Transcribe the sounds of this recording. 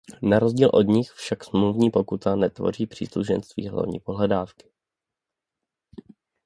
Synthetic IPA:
naɾozɟiːlʔo̞dɲɪxfʃaksmluvɲiːpo̞kut̪anɛt̪vo̞̰r̝iːpr̝̥ḭːsluʒɛ̰nst̪vḭːɦla̰vɲḭːpoɦlɛdaːfkɪ̥

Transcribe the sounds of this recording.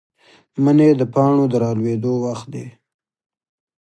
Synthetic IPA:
məned̪əpɑɳod̪əɾɑlwed̪owaxt̪̚d̪ḛ

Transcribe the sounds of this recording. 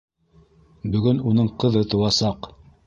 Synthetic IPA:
bɵ̆ɡɵnunɤɴqɤ̆ðɤt̪ɤ̆wɑsɑq

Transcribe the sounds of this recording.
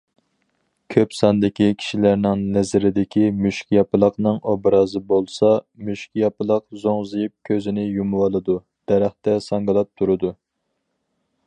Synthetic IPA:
kʲʰøpsɑnd̪ɪkʲikʲʰi̥ʃilæɾnɪŋnɛzɪɾɪd̪ɪkʲimyʃkʲjɑpɨlˠəqnɨŋobɾɑzɨbolˠsɑmyʃkʲjɑpɨlˠəqzoŋzɨjip̚kʲʰøzɪnɪjumwɑlˠɨd̪u | d̪̥ɛɾæχt̪ɛsɑŋɡɨlˠɑp̚t̪ʰuɾɨd̪u

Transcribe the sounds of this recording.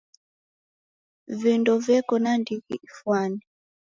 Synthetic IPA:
vindɔvɛkɔnandiɣiʔifwanɛ

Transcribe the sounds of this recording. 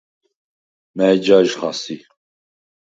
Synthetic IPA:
mɛd͡ʒaʒχɑ̰si

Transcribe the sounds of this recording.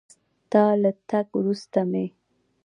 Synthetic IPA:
t̪ɑlat̪aɡwɾust̪ame

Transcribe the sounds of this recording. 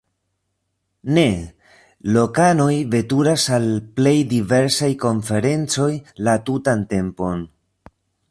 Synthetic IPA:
ne̞ | lo̞kano̞jve̞tuɾasalple̞jdive̞ɾsajko̞nfe̞ɾe̞nt͡so̞jlatutante̞mpo̞n

